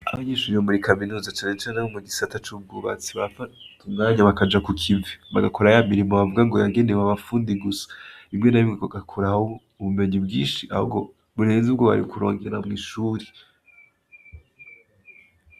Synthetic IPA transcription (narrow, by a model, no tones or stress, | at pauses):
a̰βaɲeːʃuɾihomuɾikaminuzat͡ʃaːne̞t͡ʃaːnehomuɡisatat͡ʃub̚ɡuβa̰t͡siβafatumŋaːɲaβakad͡ʒakukʰiviβaɡakoɾajamiɾimoβavuɡaŋɡo̞jaɡe̞neβaβafuːndiɡusḁimɲe̞naβimɡaaɡakʰoɾaho | uβume̞ɲibɡiːnʃiʔa̰hṵɡo̞ | βuɾe̞ːnzubɡoβa̰ɾikuɾoːŋɡeɾamɡiʃuːɾi̥